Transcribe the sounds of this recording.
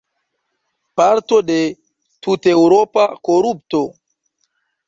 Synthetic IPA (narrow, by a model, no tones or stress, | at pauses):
paɾto̞de̞ | tute̞wɾopakoɾup̚to̞